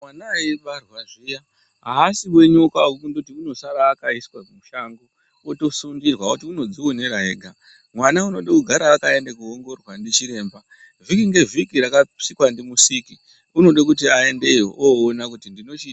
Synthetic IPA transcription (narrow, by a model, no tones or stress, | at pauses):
mwanaiʋarwaʐija | ɦaːsiwe̞ɲokaukundotiuno̞saɾaːkaiskwamuʃaŋɡo | oto̞suŋɡirwautiuno̞d͡ziwoneɾaɦeːɡʱa | mwanauno̞ɗakuɡʱaɾaːkaendakuoŋɡo̞rwandit͡ʃiɾe̞ːmba | vikiŋɡe̞vikiɾakasikwandimusiki | uno̞ɗak̬utiae̞nde̞jo̰ʔoːnakutindino̞t͡ʃiːta